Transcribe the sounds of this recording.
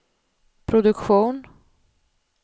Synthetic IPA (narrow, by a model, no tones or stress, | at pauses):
pʰɾʊd̪ɵkɧuːn